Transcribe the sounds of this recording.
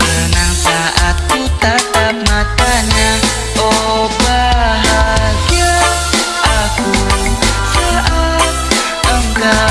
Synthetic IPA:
kənaŋsaʔat̪̚ːit̪at̪ap̚makaɲa | oɦɔbaɦaɡa | aku | saʔat̪̚ | əŋɡa

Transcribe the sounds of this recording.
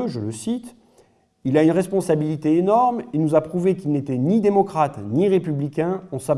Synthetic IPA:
ʒələsit̪ | ilaynʁɛspɔ̃sabilit̪eenɔʁmenuzapχuvekilnet̪ɛnid̪emɔkχat̪niʁepyblikʲɛ̃ɑ̃sa

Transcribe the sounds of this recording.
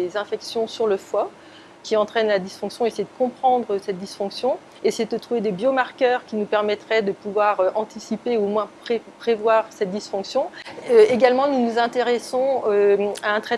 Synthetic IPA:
ezɛ̃fɛksjɔ̃syʁləfwa | kʲiɑ̃t̪χɛnlad̪isfɔ̃ksjɔ̃esɛd̪əkɔ̃pχɑ̃d̪ʁəsɛt̪̚d̪isfɔ̃ksjɔ̃ | esɛd̪ət̪χuved̪ebjomaʁkʲœʁkʲinupɛʁmɛt̪χɛd̪əpuvwaʁøʔɑ̃t̪isipeumwɛ̃pχepχevwaʁsɛt̪̚d̪isfɔ̃ksjɔ̃øeɡalmɑ̃nunuzɛ̃t̪eʁɛsɔ̃øaɛ̃t̪χɛ

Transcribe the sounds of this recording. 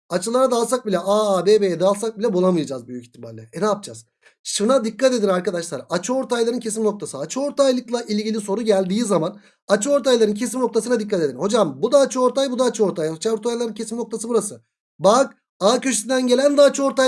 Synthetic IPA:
at͡ʃʰɯlˠaɾad̪alˠsak̚bilʲɛʔaːaːbebejɛd̪alˠs̬ak̚bilʲɛbulˠamɯjad͡ʒaːzbyjycʲi̥t̪ʰːima̰lʲːɛed̪aːp̚d͡ʒa̰z̥ | ʃɯnad̪ikːat̪e̞d̪inaɾkad̪aʃlˠaɾaat͡ʃʰɯo̞ɾt̪ʰajlˠaɾɯncʰe̞s̬imno̞k̚t̪ʰasɯat͡ʃʰɯo̞ɾt̪ʰajlˠɯklˠaʔilʲɟilʲiso̞ɾuɟælʲd̪iːizaman | at͡ʃʰɯo̞ɾt̪ʰajlˠaɾɯncʰe̞simno̞k̚t̪ʰasɯnad̪ikːat̪ed̪inho̞d͡ʒambud̪aːt͡ʃʰɯo̞ɾt̪ʰajbud̪aːt͡ʃʰɯo̞ɾt̪ajat͡ʃaoɾt̪ʰajlˠaɾɯncʰe̞simno̞k̚t̪ʰasɯbuɾasɯ | bak | aːcø̞ʃy̥sind̪ænɟe̞lʲænd̪aːt͡ʃʰɯo̞ɾt̪a

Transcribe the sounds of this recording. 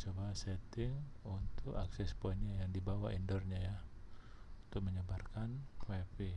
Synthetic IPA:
səbaɦasɛt̪ɪŋunt̪ʊka̰ksɛspɔɲajaŋdibawaʔindɔrɲaja | unt̪ʊk̚məɲəbarkankɛpi

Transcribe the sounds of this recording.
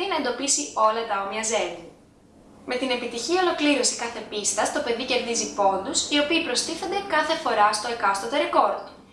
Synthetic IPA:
inɐe̞nd̪o̞pisio̞lɐt̪ɐomiɐze̞vi | me̞t̪ine̞pit̪içiɐo̞lo̞kliɾo̞si̥kɐθe̞pist̪ɐst̪o̞pe̞ðice̞ɾðizipo̞nd̪usio̞piːpɾo̞st̪iθo̞nd̪e̞kɐθe̞fo̞ɾɐst̪okɐst̪ot̪eɾeko̞ɾ

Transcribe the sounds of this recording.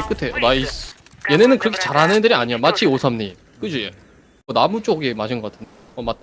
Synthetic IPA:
ek͈ɯtʰe̞oɾais | je̞nenɯnkɯɾʌkʰet͡ɕaɾɦanedɯɾiaɲijomat͡ɕʰiosʰamɲi | k͈ɯd͡ʑie | ʌnamut͡ɕ͈oɡemaɕʰinɡʌk͈atʰɯn | ʌmat

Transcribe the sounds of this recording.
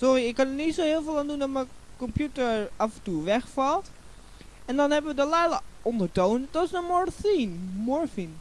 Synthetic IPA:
sɔɾiɪkːɑnənitsowɦɪːlˠvɪːlˠaːndundɑtməkɔmpjutəɹɑfɛntuʋɛχfɑlˠt | ɛndɑnɦɛbəʋədəlɛjləʔɔndəɹtownd̥ɑtɪsəmɔɹθinmɔɹfin

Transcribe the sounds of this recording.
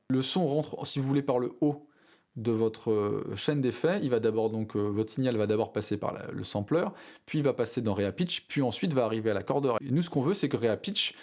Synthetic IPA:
ləsɔ̃ʁɑ̃t̪χsivuvulepaʁləo | d̪əvɔt̪χəʃɛnd̪efɛilvad̪abɔʁd̪ɔ̃køvɔt̪χəsinjalvad̪abɔʁpasepa̰ʁ̰lə̰sɑ̃plœʁpɥiːlvapased̪ɑ̃ʁeapit͡ʃpɥiɑ̃sɥit̪vaːʁivealakɔʁd̪œʁenusə̥kɔ̃vøsɛkəʁeapit͡ʃ

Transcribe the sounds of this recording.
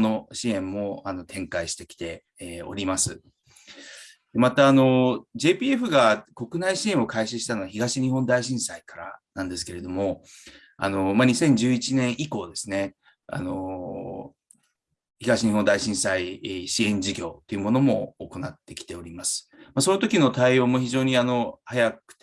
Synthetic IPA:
no̞ɕiẽ̞mːo̞ano̞t̪ʰẽ̞ŋkaiɕi̥t̪e̞kʲi̥t̪e̞ | o̞̰ɾʲimasɨ | d̪̥emat̪aːno̞d͡ʑe̞ːpʲiːe̞ɸɯ̟ɡako̞kɯ̟naiɕiẽɰ̃okaiɕiɕi̥t̪anoaçiɡaɕiɲ̟ihõ̞nd̪aiɕĩɰ̃saikaɾa̰nãnd̪e̞s̬ɨ̥ke̞ɾe̞d̪o̞mo̞ | a̰no̞maɲ̟isẽ̞ɲ̟d͡ʑɨːit͡ɕinẽ̞ɰ̃ʔiko̞ːd̪e̞sɨne̞ | a̰no̞̰ | çiɡaɕiɲiɦõ̞nd̪aiɕĩɰ̃saiɕiẽ̞ɲ̟d͡ʑiɡʲo̞ːt̪ːe̞iɯ̟mo̞no̞mo̞̰ːko̞nat̪ːe̞kʲi̥t̪e̞o̞ɾʲimasɨ̥maso̞not̪okʲino̞t̪aioːmo̞çiʑo̞ːɲ̟iano̞hajakɯ̥t̪

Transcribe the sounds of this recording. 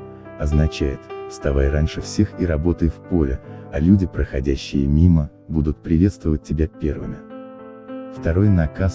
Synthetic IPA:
ɐznɐt͡ɕæjɪt̪fst̪ɐvajɾanʲʂɨfsʲe̞xiɾɐbo̞t̪əjfpo̞lʲɪɐlʲudʲɪpɾəxɐdʲæɕːɪ̰jəmʲimə | bud̪ʊt̪̚pɾʲɪvʲe̞t̪st̪vəvət̚ʲtʲːɪbʲapʲe̞rvɨmʲɪ | ft̪ɐɾo̞jnɐkas

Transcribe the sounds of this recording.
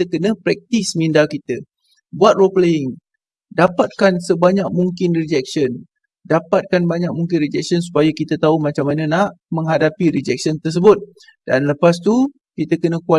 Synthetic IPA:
t̪əkənə̃pɾɛk̚t̪ismindakit̪ə | buat̪̚roplaɪŋ | dapat̪̚kansəbaɲak̚muŋkɪnrid͡ʒɛk̚sən | dapat̪̚kanbaɲak̚muŋkɪnrid͡ʒɛk̚siənsu̥pajakit̪at̪aumat͡ʃamːanə̃naʔmə̃ŋɦadapiɾid͡ʒɛk̚sənt̪ərs̬əbʊt̪̚ | d̥anləpast̪u | kit̪əkənə̃kua

